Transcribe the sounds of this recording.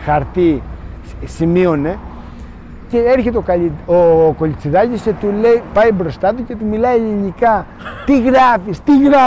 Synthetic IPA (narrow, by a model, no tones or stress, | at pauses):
xaɾt̪i | simjone | keeɾxet̪okaokolit͡sid̪ajiset̪ulejpajbɾost̪ad̪uket̪umilaliɲika | t̪iɣɾafist̪iɣɾa